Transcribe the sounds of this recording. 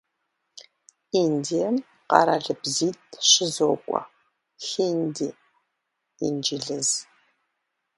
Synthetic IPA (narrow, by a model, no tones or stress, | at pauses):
indijɐm | qɑ̰ɾɐɮɨbziːtʼɕɪzoːkʷʼɔ̰ | xindiː | ḭnd͡ʒɪɮɨz